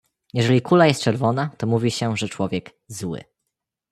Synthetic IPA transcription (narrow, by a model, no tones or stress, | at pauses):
jɛʐɛlʲikulajɛst̪̚t͡ʂɛɾvɔnat̪ɔmuvʲiɕɛʐɛt͡ʂwɔvʲjɛɡ | zwɘ̰